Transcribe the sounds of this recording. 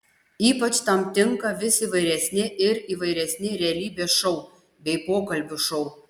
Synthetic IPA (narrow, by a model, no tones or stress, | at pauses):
iːpɐt͡ʃt̪ɐmt̪ʲɪŋkɐʋʲɪsʲiːʋɐɪɾʲɛsʲnʲɪʔɪɾiːʋɐɪɾʲɛsʲnʲɪɾʲɛɛɐlʲiːbʲeʃɔʊ | bʲɛɪpoːkɐlʲbʲʊʃɔʊ